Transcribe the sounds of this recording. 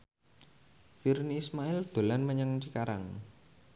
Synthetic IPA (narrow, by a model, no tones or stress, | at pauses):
firniːsmaɪld̪̥o̤lanməɲaŋt͡ʃikaɾa̰ŋ